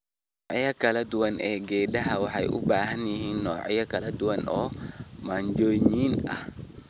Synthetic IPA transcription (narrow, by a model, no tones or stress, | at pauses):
n | ɔːʕɪjɐkɐlɐd̪ʊwɐnɛːɡɛːɗɐɦɐwɑħɑjʔʊ̰baːɦɐnjɪhiːnːɔːʕɪ̰jɐkʰɐlɐd̪ʊwɐnʔɔːmaɲd͡ʒɔːjniːnɐ̰h